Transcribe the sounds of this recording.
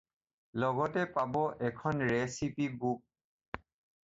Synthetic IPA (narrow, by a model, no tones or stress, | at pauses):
lɔɡɔtɛpabɔʔɛkʰɔnɹɛsipibuk̚